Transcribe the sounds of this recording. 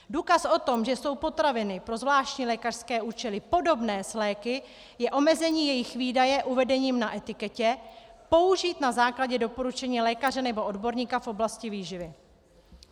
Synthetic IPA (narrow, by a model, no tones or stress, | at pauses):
duːkasʔo̞t̪o̞mʒɛso̞wpo̞t̪ɾavɪnɪpɾo̞zvlaːʃcɲiːlɛːkar̥skɛːʔuːt͡ʃɛlɪpo̞do̞bnɛːslɛːkɪ | jɛʔo̞mɛzɛɲiːjɛjɪxviːdajɛʔuvɛdɛɲiːmnaʔɛt̪ɪkɛcɛpo̞uʒiːt̪nazaːklaɟɛdo̞po̞ɾut͡ʃɛɲiːlɛːkarɛnɛbo̞ʔodbo̞ɾɲiːkafʔo̞blascɪviːʒɪvɪ